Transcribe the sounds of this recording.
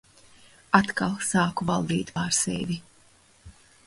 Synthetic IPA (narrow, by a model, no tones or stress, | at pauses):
at̪kalˠsaːkuvalˠd̪iːt̪paːɾsɛ̰vʲi